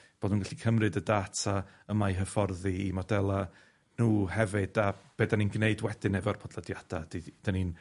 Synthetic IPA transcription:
b̥oːdunɡaɬikʰəmrɨdədatʰa | əmajɦəfɔrðiimɔdɛlˠa | nuːhɛvɨd̥ab̥eːdaninɡneɨdwɛdɪnɛvɔrpʰɔdlˠədjad̥ad̥id̥anin

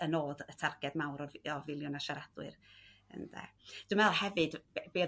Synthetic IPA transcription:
ənoːdətʰarɡɛdmawɾɔɔvɪlˠjɔnaʃaɾad̥wɨ̰rə̰ndɛ̰d̥umɛlˠhɛvɨdbeː

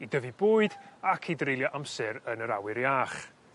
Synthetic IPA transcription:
idəvibʊːɨdakʰidrejlˠjɔʔamsɛɾənəɾa̰wɪɾjaːχ

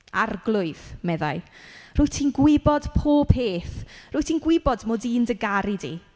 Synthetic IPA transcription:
arɡlˠʊɨðmɛða̰ɨ | r̥ʊːɨtʰiːnɡwɪbɔd̥pʰoːpʰeːθrʊːjtʰiːnɡwɪbɔdmoːdiːndəɡaɾidḭ

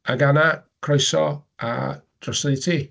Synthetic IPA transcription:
aɡanakʰrɔjsɔa̰d̥rɔsnejtʰi

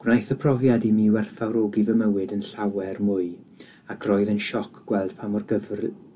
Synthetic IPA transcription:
ɡ̥wnajθəpʰrɔvjadimiwɛrθawɾoːɡivəməwɨdənɬawɛrmʊɨ | akʰrɔɨðənʃɔkʰɡ̥wɛlˠd̥pʰamɔrɡəvr

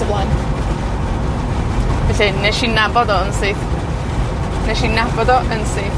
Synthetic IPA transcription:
əvlˠan | vɛɬɛnɛʃinabɔdɔənsɪθ | nɛʃinabɔdɔʔənsɪːθ

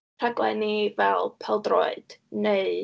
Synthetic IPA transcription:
aɡlˠɛ̰nivɛlˠpʰɛlˠdro̰ɨd̥neɨ

